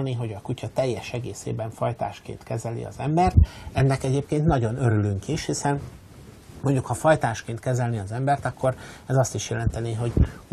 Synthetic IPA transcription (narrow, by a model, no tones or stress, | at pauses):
niɦo̞ɟɒkucɒt̪ɛjːɛʃɛɡeːsḛːbɛɱfɒjt̪a̰ːʃkḛːnt̪kɛzɛlḭɒ̰zɛmbɛrt̪ɛnːɛkɛɟeːpkeːnt̪nɒɟo̞nø̞ɾylyŋkiʃhisɛn | mo̞ɲɟukhɒfɒjt̪aːʃkeːnt̪kɛzɛlniɒzɛmbɛrt̪ɒkʰːo̞ɾɛzɒst̪iʃjɛlɛnt̪ɛneːɦo̞ɟ